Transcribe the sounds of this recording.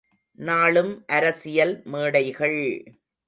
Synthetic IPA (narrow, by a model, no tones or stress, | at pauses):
naːɭɯmʔɐɾɐsɪjɐlmeːɽɐɪɣɐɭ